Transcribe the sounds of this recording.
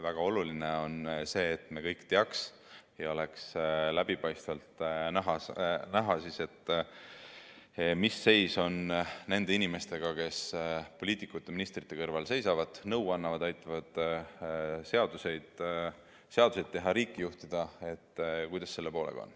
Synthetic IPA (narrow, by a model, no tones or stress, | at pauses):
væɡ̥ɑo̞lulineo̞nse̞ːt̪ːme̞kɤjkt̪e̞ɑks | jɑo̞le̞kslæbipɑjst̪vɑlt̪næɦɑnæɦɑsise̞t̪ː | misːe̞jso̞nne̞nd̪e̞inime̞st̪e̞ɡ̥ɑke̞spo̞lʲiːt̪ikːˑut̪ːe̞minist̪rit̪ːe̞kɤrvɑlse̞jsɑvɑd̪̥nɤwɑnːɑvɑd̪̥ɑjt̪ːˑɑvɑd̪̥ | se̞ɑd̪use̞jd̪̥ | se̞ɑd̪̥use̞jd̪̥̚t̪eɦɑɾiːkːˑijuht̪id̪̥ɑe̞t̪ːkujd̪ɑsːse̞lːe̞poːlʔḛɡ̥ɑ̰o̰n